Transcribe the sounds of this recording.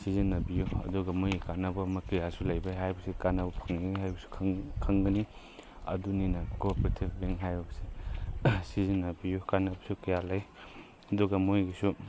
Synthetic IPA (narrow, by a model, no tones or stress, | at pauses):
sizinːɐbijuɐ̰duɡɐmojikanɐbɐmɐkɐjasulɐjbajɦajbɐsikanɐbɐpʰɐŋnɦajbɐsu̥kʰɐŋɡɐni | ɐ̰duninɐkopɾetʰib̚biŋɦajbɐbɐsi | sizinːɐbijukanɐbɐsukɐjalaj | ɐduɡɐmojɡisu